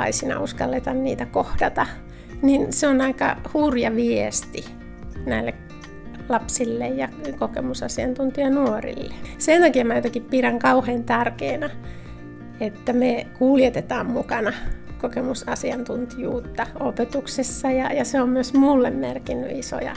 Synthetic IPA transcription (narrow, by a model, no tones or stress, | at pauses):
ɑ̰isinɑ̰uskɑlːet̪ɑnniːt̪ækohd̥ɑt̪ɑ | ninseonɑikɑ̰hurjɑʋiest̪i | næilːek | lɑpsilːejjɑkokḛmusɑ̰siɑnt̪unt̪iɑnuorḭlːesent̪ɑkiɑmæjot̪ɑkippiræŋkɑuheːnt̪ærkeːnæ | et̪ːæmekuljet̪et̪ɑːmmukɑnɑkokemusɑsiɑnt̪unt̪ijuːt̪ːɑopet̪uksesːɑjɑjɑseommyøsmulːemmerkinːy̰iso̰jɑ̰